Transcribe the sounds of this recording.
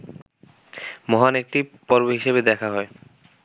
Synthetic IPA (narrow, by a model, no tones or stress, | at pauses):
mɔɦanek̚ʈipɔɾboɦiʃebed̪ɛkʰaɦɔe